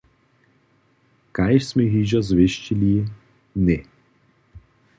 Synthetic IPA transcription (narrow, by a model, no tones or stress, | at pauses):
kajʃsmɛɣiʒazʋeʃt͡ʃili | nɛ